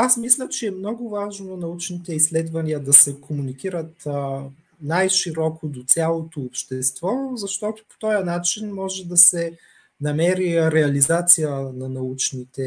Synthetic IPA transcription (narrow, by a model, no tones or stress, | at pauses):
asmislʲət͡ʃɛːmnɔɡʊvaʒnonɐut͡ʃnit̪ɛislɛd̪vɐniəd̪ɐsɛkʰomunikiɾət̪ | najʃiɾɔkod̪ot̪sʲjalˠot̪oːpʃt̪ɛst̪vɔzɐʃt̪ɔt̪ʊ̥po̥t̪ɔjənat͡ʃinmɔʒɛd̪ɐsɛ | nɐmɛɾiɾɛɐlizat̪sijənɐnɐut͡ʃnit̪ɛ